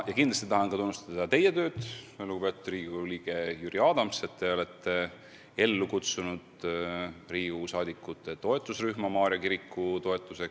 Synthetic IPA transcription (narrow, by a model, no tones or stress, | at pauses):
jɑkind̪lɑst̪it̪ɑɦɑnkɑt̪unːust̪ɑd̪̥ɑt̪e̞je̞t̪ø̞ːd̪̥luɡ̥ubet̪ud̪riːɡuliːɡ̥e̞jyɾiɑːd̪ɑmse̞t̪ːe̞o̞le̞t̪ːˑe̞ | e̞lːukut̪sunud̪̥ | riːɡusɑːd̪ikːˑut̪ːˑe̞t̪o̞e̞t̪ːˑusryhmɑmɑːɾjɑkiɾikːut̪o̞e̞t̪ːˑuse̞k